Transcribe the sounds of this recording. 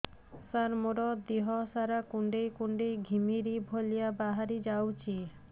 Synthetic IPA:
saɾmoɾɔd̪iɦɔsaɾakuɳɖejkuɳɖejɡʱimiɾibʱolijabaɦaɾid͡ʒawt͡ʃʰi

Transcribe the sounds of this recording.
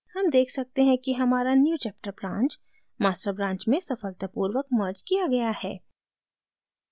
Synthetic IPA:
hɐmd̪eːkʰsɐk̚t̪eɦɛ̃kiɦɐmaːɾanjuːt͡ʃɛːp̚ʈəɾbɾãːnt͡ʃ | maːsʈɾəbɾãːɲt͡ʃmẽsɐfəlt̪əpuːɾʋək̚mɐɾd͡ʒkijaɡɐjahɛː

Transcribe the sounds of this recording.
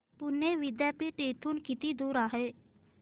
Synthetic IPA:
pʊneːʋɪd̪jaːpiːʈeːt̪ʰuːnkɪt̪iːd̪uːɾaːɦeː

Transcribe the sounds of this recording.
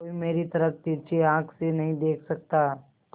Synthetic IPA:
oːimeːɾit̪ɐɾəkt̪iɾt͡ʃeãːkʰsenɐɦĩd̪eːkʰsɐk̚t̪aɦɛ

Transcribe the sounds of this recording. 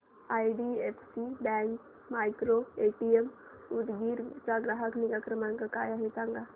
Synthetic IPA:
aːiɖieːpʰsibɛ̃ːŋk | maːɪkɾoeːʈiem | ud̪ɡiɾt͡ʃaɡɾaɦəknikakɾəmənkəkaːjaɦet͡ʃãŋɡa

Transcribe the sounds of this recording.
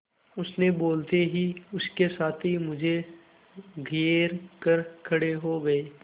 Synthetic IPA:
ʊsneboːlt̪eɦiʊskesaːt̪ʰimʊd͡ʒʱe | ɡʱeːɾkɐɾkʰɐɽeɦoɡɐeː

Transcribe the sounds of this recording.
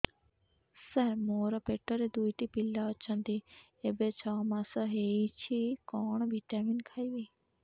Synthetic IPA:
sɛɾmoːɾɔpeʈːoɾed̪ujt̪ipilːaɔt͡ʃʰə̃nd̪i | ebet͡ʃʰɔmãsɔɦet͡ʃʰikɔːɳ̃bʱiʈaminkʰajbi

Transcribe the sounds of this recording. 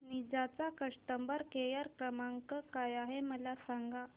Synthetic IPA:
nid͡zat͡sakəʂʈ̪əmbaɾkejaɾkɾəmaŋkəkajaɦeməlasaŋɡa

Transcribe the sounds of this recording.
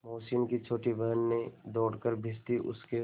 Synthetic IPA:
moːsiːnkit͡ʃʰoːʈibɐɦənːẽd̪ɔːɽkəɾbʱɪst̪iʔʊ̰ske

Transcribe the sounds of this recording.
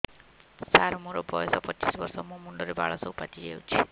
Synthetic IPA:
saɾmũɾɔbɔjɔsɔpɔt͡ʃisbɔɾsɔmũmuɳɖɔɾeba̰ɭɔsoupat̪id͡ʒeut͡ʃʰi̥

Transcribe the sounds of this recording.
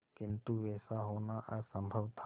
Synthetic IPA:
kɪ̃nt̪uʋɛːsaɦoːnaʔəɾsə̃mbʱəʋt̪ʰ

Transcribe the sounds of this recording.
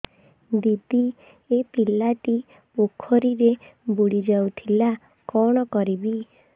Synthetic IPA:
d̪id̪i | epilaʈi | pokʰɔɾiɾebuɽid͡ʒawt̪ʰila | kɔɽ̃ɔkɔɾibi

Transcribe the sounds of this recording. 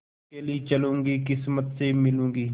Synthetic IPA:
keliet͡ʃɐlũːŋɡikɪsmət̪semɪlũːŋɡiː

